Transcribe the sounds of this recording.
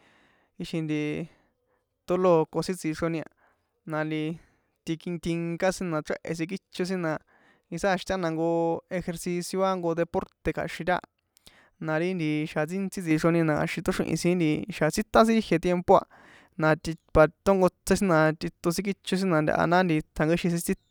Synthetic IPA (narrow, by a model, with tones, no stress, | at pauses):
i˧ʃi˧nd̪i˧ | t̪o˧lo˧˨˧ko˧sĩ˦t͡si˧ʂo˧nĩ˧a̰˧ | nã˨˧nd̪i˧ | t̪i˧ki˧t̪i˧ŋka˦sĩ˦nã˨˧ʈ͡ʂe˦ʔḛ˧˨s̬ĩ˧k̬i˦t͡ʃo˧s̬ĩ˦nã˧˨ | i˧sa˦˧ʃi̥˧t̪a˦nã˧ŋɡo˧e˧xe˧ɾsi˧sjo˧a˦ŋɡo˧ðe˧po˦ɾt̪e˧kʰa̰˨ʃĩ˧ɾʲa̰˦˧ | nã˨˧ɾi˦nd̪i˧ʃa˨t͡si˦nt͡si˦t͡si˧ʂo˧nĩ˧nã˨ka̰˨ʃĩ˧t̪o˦ʂḭ̃˧ʔḭ̃˧sĩ˧˦nd̪i˧ʃa˨t͡si˦t̪ã˦s̬ĩ˦i˦hje˧t̪je˧mpo˦˧a̰˧ | nã˨˧t̪i˧pa˨t̪o˦ŋɡo˧t͡se˧˦s̬ĩ˦nã˧t̪i˧t̪o˧s̬ĩ˦k̬i˦t͡ʃo˧s̬ĩ˦nã˧nd̪ʲa̰˧ʔa̰˧nã˦nd̪i˧t̪ʰa˨ŋɡe˦ʃĩ˧s̬ĩ˧t͡si˦